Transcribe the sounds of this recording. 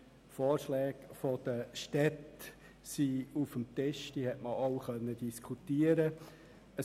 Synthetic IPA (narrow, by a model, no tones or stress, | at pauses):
foːɾʃlɛːɡfɔd̪̥əʃtɛt | siufəmt̪ɪʃd̥iːhɛtməoʊχœnːədiskʰut̪iːəɾə | ə